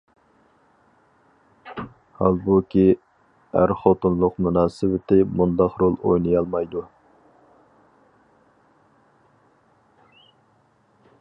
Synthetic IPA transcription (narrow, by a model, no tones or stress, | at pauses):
hɑlˠbukʲʰi | æ̰ɾχot̪unlˠʊqmunɑːsɪwɪt̪ʰɪmund̪ɑqɾolˠo̰jnɨjɑlˠmɑjd̪u